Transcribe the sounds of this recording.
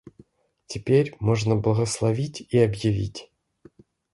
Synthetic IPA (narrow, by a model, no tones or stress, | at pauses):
tʲɪpʲeɾʲmo̞ʐnəblˠəɣəslˠɐvʲitʲiɐbjɪvʲḭtʲ